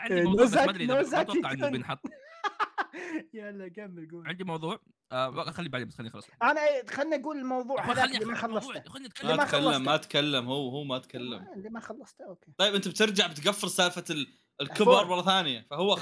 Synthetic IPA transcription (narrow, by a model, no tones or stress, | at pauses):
ɪnozad̪nozaːʕɪnbɪnħɑt̪ˤː | jalːaɡamːɪlɡuːʕɪnd̪imɑwðˤuːʕ | xalːibaʕd̪imat̪xanːixɑlːɑsʔanaʔeːt̪xanːiʔaɡuːlɪlmɑwðˤuːʕhalaːlimaxɑlˤːɑsˤxʊnimːimaɑlːɑːamːat̪kalːamhuwːhuːmat̪kalːa̰mlːimaxɑlːɑsˤt̪ʔoːkeːtˤɑjːbʔɪnt̪ab̚t̪ɪɾd͡ʒaʕbɪt̪ɡafːɪɾsaːfa | lkɪbɑɾˤmɑrˤːɑθaːnɪjafahʊwːa